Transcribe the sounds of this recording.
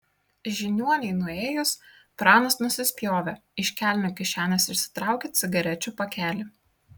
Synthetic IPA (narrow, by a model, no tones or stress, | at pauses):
ʒʲɪnʲuɔnʲɛɪnʊeːjʊs | pɾɑːnɐsnʊsʲɪsʲpʲjoːʋʲɛɪʃʲkʲæːˑlʲnʲukʲɪʃʲæːnʲɐsɪɾʲsʲɪ̥t̪ɾɑˑʊkʲet̪sʲɪɡɐɾʲɛt͡ʃʲupɐkʲæːlʲɪ